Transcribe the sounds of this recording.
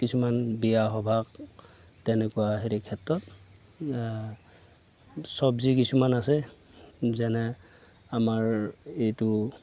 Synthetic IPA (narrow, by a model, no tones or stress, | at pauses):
kisumanbijaɦɔbʱak | tɛnɛkuwaɦeɹikʰɛtɹɔt | sɔbzikisumanasɛ | zɛnɛ | amaɹejtʊ